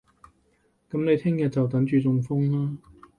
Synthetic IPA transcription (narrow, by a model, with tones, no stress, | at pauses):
kɐ˨˥mne˨˧jt̪ʰɪ˥ŋjɐ˨t̚t͡sɐ˨wt̪̬ɐ˨˥ŋt͡ʃyː˨t͡sʊ˧ŋfʊ˥ŋlaː˥